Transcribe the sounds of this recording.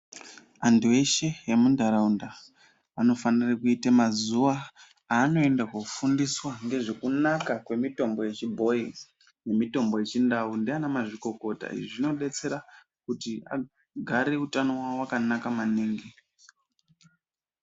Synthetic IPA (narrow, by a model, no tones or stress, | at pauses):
andue̞ʃejemundʱaɾaunda | ano̞fanirakuitamazuʋa | aːno̞e̞ndakwakufundiswaŋɡe̞ʐe̞kunakakwe̞mito̞mbo̞je̞t͡ʃibʱo̞i | ne̞mito̞mbo̞je̞t͡ʃindaundianamaʐiko̞ko̞ta̰ḭʐino̞ɗe̞t͡se̞ɾa | kutia̰ | ɡʱaɾe̞utano̞waowakanakamaniːŋɡi